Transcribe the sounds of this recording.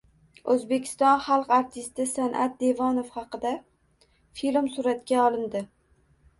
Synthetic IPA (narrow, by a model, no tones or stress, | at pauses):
ɵzbe̞kʲʰɪ̥st̪ɒnχɑlˠqaɾt̪ʰɪst̪ɪsanʔa̰t̪̚d̪e̞vɒnofχɑqɨd̪a | filmsʊɾat̪kʲaɒlˠɪnd̪ɪ